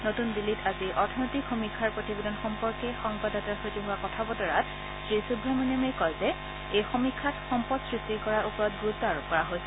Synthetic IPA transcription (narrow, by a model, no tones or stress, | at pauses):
notundilːitʰaziʔɔɹtʰɔnotikxomikʰːaɹpɹotibedɔnxɔmpɔɹkɛxɔŋbadatasotiɦʊwakɔtʰabɔtɔɹatʰ | z̥esubʱːɔmɔnamekɔjzɛ | ejxomikʰːatxɔmpɔtsɹistikɔɹaɹʔupɔɹɔt̚ɡɹutːaɹukɔɹaɦojsɛ̥